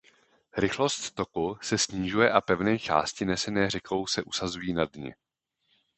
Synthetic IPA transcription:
ɾɪxlo̞st̪ːo̞kusɛsɲiːʒujɛʔapɛvnɛːt͡ʃa̰ːscɪnɛsɛnɛːr̝ɛkʰo̞wsɛʔusazujiːnadɲɛ̰

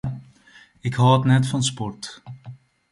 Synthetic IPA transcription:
ɪkhɔːətnɛtfɑnspɔrt

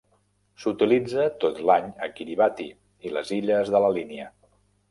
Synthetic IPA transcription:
sut̪ilid͡zət̪ot̪laɲəkiɾiβat̪i | ilə̰ziʎəzðələliniə

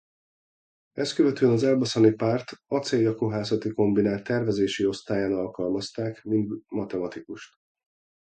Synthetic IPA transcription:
ɛskøvɛt̪øːɛnɒzɛlbɒsɒnipaːrt̪ɒt̪seːjːɒkoɦaːzɒt̪iko̞mbinaːlt̪ːɛrvɛzeːʃio̞st̪aːjaːnɒlkɒlmɒst̪aːkmind̪mɒt̪ɛmɒt̪ikuʃt̪

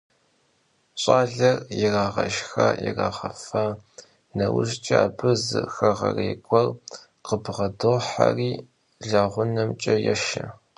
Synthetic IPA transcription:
ɕʼaːɮɐrjɪraːʁɐʒxɐjɪ̰raːʁɐfɐ | nɐwʊ̰ɕt͡ʃʼɪaːbɨzɨ̰xɐʁɐreːɡʷʼɔr | qəbʁɐdɨʁħa̰riː | ɮɐʁʷʊnɐmt͡ʃʼɐjɛʃɐ

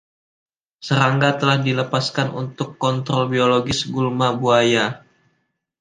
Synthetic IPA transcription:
səɾaŋɡat̪əlahdiləpaskanṵnt̪ʊkːɔnt̪ɾɔlbioloɡɪsɡulmabuaja

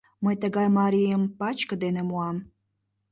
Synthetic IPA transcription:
məjt̪əɣɑjmɑɾijəmpɑt͡ɕkəd̪enemuɑm

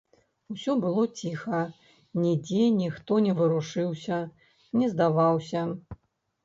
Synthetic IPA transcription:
usʲɔbɨlˠɔt͡sʲixɐ | nʲid͡zʲɛnʲixt̪ɔnʲɛvɨɾuʂɨwsʲɐ | nʲɛzd̪avawsʲɐ

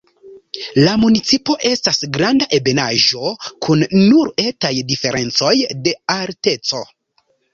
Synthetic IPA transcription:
lamunit͡sipo̞ʔe̞stasɡɾandaʔe̞be̞naʒo̞kʰunːuɾe̞tajdife̞ɾʔe̞nt͡so̞jde̞alte̞t͡so̞

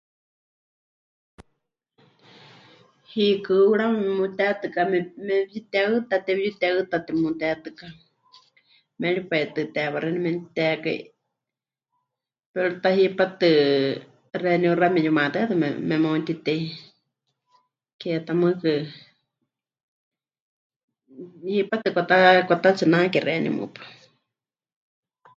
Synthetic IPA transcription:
hikɨuɺammut̪ɛt̪ɨkamɛmɛjit̪ɛaɨt̪at̪ɛβjut̪ɛaɨt̪at̪ɛmũt̪ɛt̪ɨka | mɛɺipajt̪ɨt̪ɛβaɾɛnimɛnt̪ɛka̰ḭ | pɛɺut̪aɦipat̪ɨ | rɛniuramɛjumat̪ɨat̪ɨmɛ̰mɛmot̪it̪ɛi | kɛt̪amɨkɨ | hipat̪ɨkʷat̪akʷat̪at͡sɨnakɛrɛnḭmṵpḁ

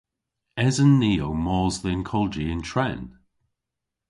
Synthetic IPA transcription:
ɛzənːiːowmɔːzðɪnkʰɔlˠd͡ʒiɪ̃ntʰɹɛn

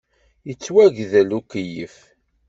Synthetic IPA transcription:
jət͡sːwæʝðəlukːəjəf

